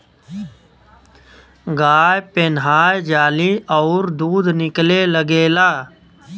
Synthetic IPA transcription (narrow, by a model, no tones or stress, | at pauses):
ɡaːjpɪnɦaːjd͡ʒaːliːɔːɾd̪uːd̪nɪkleːləɡeːlaː